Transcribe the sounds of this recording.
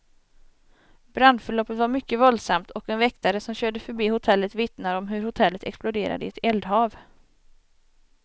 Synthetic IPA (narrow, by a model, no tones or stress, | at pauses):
b̥ɾand̪fœɭɔːpːət̪vaɾmʏkːəvɔld̪samt̪ʰɔkɛnvɛkt̪aɾəsɔmɕøːɖəfœɾbiːhʊt̪ʰɛlːət̪vɪt̪naɾɔmɦɵɾhʊt̪ʰɛlːət̪ʰɛ̰ksplʊd̪eːɾa̰d̪əɛt̪ɛld̪hɑːv